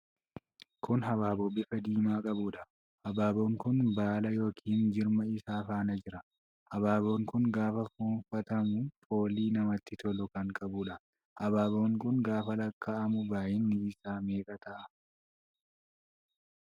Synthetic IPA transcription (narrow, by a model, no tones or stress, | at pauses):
kʊnɦɐβaːbobɪfɐd̪iːmaːkʼɐbuᶑɐ̥ | hɐbaːboːŋkʊnbaːlɐjo̞ːkʰiːnd͡ʒɪɾmɐɪsaːfaːnɐd͡ʒɪɾɐ | hɐbaːbo̞ːŋkʊŋɡaːfɐfuːnfɐt̪ɐmʊfo̞ːliːnɐmɐt̪ːɪt̪ɔlɔkɐŋkʼɐbuᶑɐ | hɐbaːboːŋkʊŋɡaːfɐlɐkːaːʔɐmʊbaːjɪnːɪːsaːme̞ːkʼɐt̪ɐʔɐ